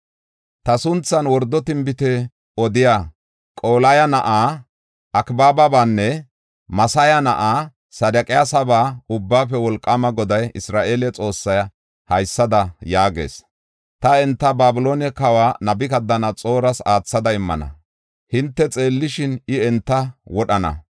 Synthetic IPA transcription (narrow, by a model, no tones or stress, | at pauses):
t̪ɐsʊnt͡sːɐnwɔɾd̪ːɔt̪ɪmbɪt̪ɛ | ɔd̪ɪjaː | kʼo̞ːlɐjɐnɐʔaː | ʔɐkbaːbɐbaːnːɛ | mɐsɐjɐnɐʔaː | sɐd̪ɐkʼɪjaːsɐbaːʊbːaːfɛwɔlkʼːɐmɐɡɔd̪ɐjɪsɾaːʔe̞ːlɛt͡sʼo̞ːsːɐj | hɐjsːɐd̪ɐjaːɡe̞̰ːs | t̪ɐɛnt̪ːɐbaːbɪlo̞ːnɛkɐwaːnɐbɪkɐd̪ːɐnɐt͡sʼo̞ːɾɐsaːt͡sːɐd̪ɐɪmːɐ̰nɐ̰ | hɪnt̪ːɛt͡sʼe̞ːlːɪʃɪnɪɛnt̪ːɐwɔɗɐnɐ̰